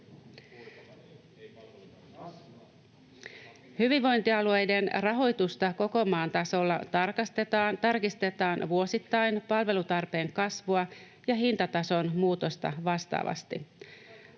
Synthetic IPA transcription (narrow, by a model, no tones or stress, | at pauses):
hyʋiʋːo̞jnt̪iɑlue̞jde̞nrɑɦo̞jt̪ust̪ɑko̞ko̞mɑːnt̪ɑso̞lːɑ̰t̪ɑrkɑst̪et̪ɑːt̪ɑrkist̪e̞t̪ɑːnʋuo̞sit̪ːɑjnpɑlʋe̞lut̪ɑrpe̞ːŋkɑsʋuɑ | jɑɦint̪ɑt̪ɑso̞nmuːt̪o̞st̪ɑ̰ʋɑst̪ɑ̰ːʋɑ̰st̪ḭ